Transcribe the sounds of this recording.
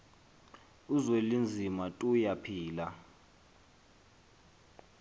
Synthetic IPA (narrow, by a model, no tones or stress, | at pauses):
uzwelind͡zʱimatʼujapʰiːla